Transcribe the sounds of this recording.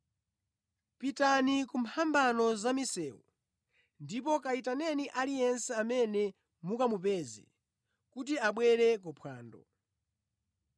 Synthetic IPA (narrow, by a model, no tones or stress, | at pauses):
pitanikum̩pʰambanɔzamisɛːwṵ | ndip̬ɔkaitanɛniʔalijɛnsɛamɛnɛ | mukamupɛzḭ | kut̬iaɓwɛɾɛkɔpʰwaːndɔ̰